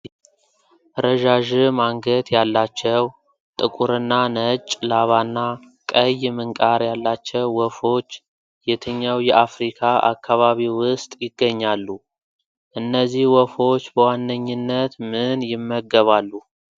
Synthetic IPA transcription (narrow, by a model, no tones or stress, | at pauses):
ɾəʒaʒɪmaŋɡət̪jalːat͡ʃːɛw | t̪ʼɨkʼuɾɨnːanət͡ʃʼlaβanːa | kʼəjmɨŋkʼaɾjalːat͡ʃːɛwːɔfo̞t͡ʃː | jɛt̪ʰəɲːawjɛʔafɾikʰaʔa̰kːaβaβiwʊst̪ʼjɪɡːəɲːalːu | ʔɨnːəzːihwɔfo̞t͡ʃːbəwanːəɲːɪnːət̪mɨnjɪmːəɡəβalːu